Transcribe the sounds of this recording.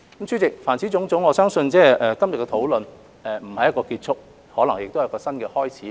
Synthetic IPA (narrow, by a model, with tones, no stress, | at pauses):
kmt͡sʰyː˥t͡sɪ˨k̚faː˨˩nt͡sʰiː˨˥t͡sʊ˨˥ŋt͡sʊ˨˥ŋɔː˨˧sœː˥ŋsɵ˧nt͡sɛː˥˩ɛ˨kɐ˥mjɐ˨kːɛ˧t̪ʰo˨˥wlɵ˨n | ɛ˨m̩˨˩hɐ˨jɐ˥tkɔː˧kiː˧t̚t͡sʰʊ˥k̚ | hɔː˨˥lɐ˨˩ŋjɪ˨k̚t̪o˥whjkɔː˧sɐ˥nkɛː˧hɔː˥jt͡sʰiː˨˥